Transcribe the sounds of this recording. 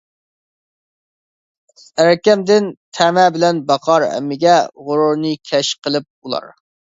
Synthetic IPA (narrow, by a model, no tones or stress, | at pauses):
æɾkʲɛmd̪ɪnt̪ʰæmɛbɪlɛnbɑqʰɑɾɛ̰mːɪɡʲɛʁʊɾuɾnɨkʲʰɛʃqʰəlˠɨp̚ulˠɑ̰ɾ